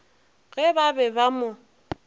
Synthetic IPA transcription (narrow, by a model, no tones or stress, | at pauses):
ɣɛbabɛbamʊ